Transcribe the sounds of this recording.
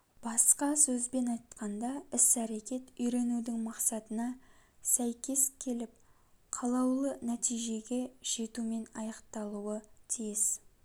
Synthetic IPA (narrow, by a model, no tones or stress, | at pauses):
b̥ɑsqɑsɵzbe̞nɑjt̪qʰɑnd̪ɑɪsæɾe̞kʲe̞t̪ʏjɾe̞nud̪ɪŋmɑqsɑt̪ənɑsæjkʲe̞skʲʰe̞lɪp̚ | qʰɑlˠɑwlˠənæt̪ijʒe̞ɡʲe̞ʒ̥e̞t̪ume̞nɑ̰jɑqt̪ɑlˠuət̪ʰijɪz